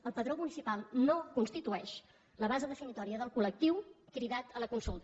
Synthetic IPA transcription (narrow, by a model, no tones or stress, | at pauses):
əlˠpəðɾomunisipalˠnokunst̪it̪uɛʃ | ləβ̞azəðəfinit̪ɔɾiəðəlˠkulək̚t̪iwkɾiðat̪ələkunsulˠt̪